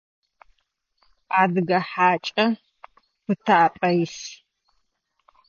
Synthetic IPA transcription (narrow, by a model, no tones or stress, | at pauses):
aːdɨɡɐħaːt͡ʃʼɐ | pɨtʰaːpʼɐjs